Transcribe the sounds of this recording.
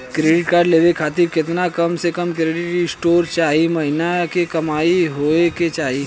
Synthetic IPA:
kɾeːɖɪʈkaːɾɖleːʋekʰaːt̪ɪɾkɪt̪nakɐmsekɐmkɾeːɖɪʈɪ̃sʈoːɾt͡ʃaːɦimɐɦɪnakekɐmaːiɦoːeket͡ʃaːɦi

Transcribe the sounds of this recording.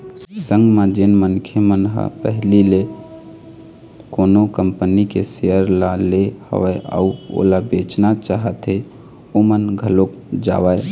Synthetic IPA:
sə̃ŋɡmẽd͡ʒenmənkʰemənɦə̰pəɦlile | konokəmpənikesejəɾlalehə̰ʋəea̰uo̰labet͡ʃnat͡ʃaɦət̪ɦe | omənɡʱəlok | d͡ʒa̰wəe

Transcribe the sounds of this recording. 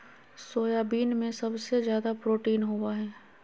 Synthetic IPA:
soːjabiːnmẽsɐbsezjaːd̪apɾoːʈiːnɦowaɦɛː

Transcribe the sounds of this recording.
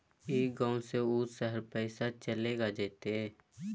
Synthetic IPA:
eːɡãːseuːsəɦəɾpɛːɪsat͡ʃəleːɡad͡ʒeːt̪eɛː

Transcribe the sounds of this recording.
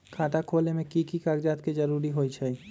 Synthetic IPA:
kʰaːʈakʰoːlnemẽkikikaɡd͡ʒaːt̪ked͡ʒɐɾuːɾiɦoːit͡ʃʰɛ

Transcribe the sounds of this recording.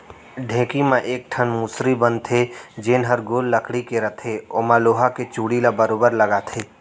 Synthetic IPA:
ɖʱẽːkimãʔeːk̚ʈʰənmusɾibənt̪ʰed͡ʒeːnɦəɾɡoːlːəkʰɽikeɾɐt̪ʰeomãloːɦaket͡ʃuːɽilabəɾoːbəɾlɐɡat̪ʰeː

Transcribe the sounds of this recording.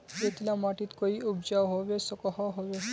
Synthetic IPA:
d͡ʒet̪ʰilamaʈit̪koiubd͡ʒawɦobesɔkɔɦɔɦobe

